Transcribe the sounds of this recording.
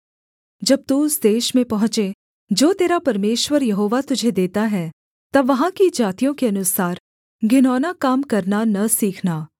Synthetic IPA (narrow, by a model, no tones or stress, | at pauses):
d͡ʒɐb̚t̪uʊsd̪eːʃmẽpɐɦʊ̃t͡ʃe | d͡ʒoːt̪eːɾapɐɾmeːʃwəɾjɐɦoːʋat̪ʊd͡ʒʱed̪eːt̪aɦɛ | t̪ɐʋːɐɦãkid͡ʒaːt̪ijõkeɐnʊsaːɾ | ɡʱɪnɔːnakaːmkɐɾnanɐsiːkʰnaː